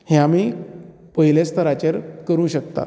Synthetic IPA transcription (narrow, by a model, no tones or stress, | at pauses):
heamiː | pəɦilest̪ʰəɾat͡ɕeɾkəɾũːɕək̚t̪a̰